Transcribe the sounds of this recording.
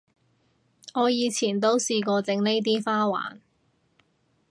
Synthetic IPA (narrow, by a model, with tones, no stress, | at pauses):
ŋɔː˨˧jiː˨˧t͡sʰiː˨˩nt̪o˥wsiː˧kɔː˧t͡sɪ˨˥ŋne˥jt̪̬iː˥faː˥wa̰ː˨˩n